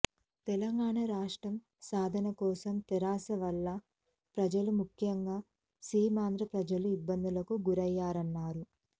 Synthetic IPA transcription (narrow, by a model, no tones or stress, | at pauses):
t̪ɛlɐŋɡaːɳɐɾaːʂʈɾɐm | saːd̪ʱɐnɐkɔːsɐmt̪iɾaːsɐʋɐlːɐ | pɾɐd͡ʒɐlumukʰjɐŋɡaː | siːmaːnd̪ɾɐpɾɐd͡ʒɐluibːɐnd̪ulɐkuɡuɾɐjːaːɾɐnːaːɾu